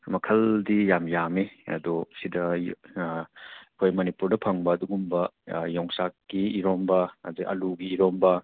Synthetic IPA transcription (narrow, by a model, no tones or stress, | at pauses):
mɐkʰɐldijamjamiɐ̰dɔsidɐ | kʰojmɐnipuɾdɐpʰɐŋbɐːduɡumbɐjɔŋsakːiːɾombɐhɐzikɐ̰luɡiːɾombɐ